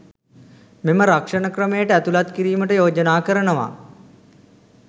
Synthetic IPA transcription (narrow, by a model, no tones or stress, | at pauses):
meməɾakʂənəkrəmejəʈəæt̪ulat̪kiɾiːməʈəjoːd͡ʒənaːkəɾənəʋa̰